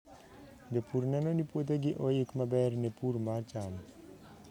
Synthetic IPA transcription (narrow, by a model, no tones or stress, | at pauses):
d̪epuɾnɛnonipot̪̬eɡiʔojikmabɛɾnepuɾmaɾt͡ʃan